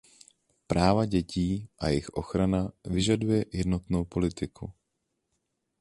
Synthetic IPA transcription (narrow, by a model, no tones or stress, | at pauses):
pɾaːvaɟɛciːʔajɪxʔo̞̰xɾanavɪʒadujɛjɛdno̞t̪no̞wpo̞lɪt̪ɪkʰu